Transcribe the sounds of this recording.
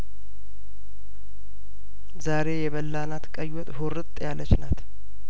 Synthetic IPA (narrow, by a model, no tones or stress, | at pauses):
zaɾe̞jɛβəlːanat̪kʼəjwɔt̪ʼhoɾɨt̪ʼːjalət͡ʃnat̪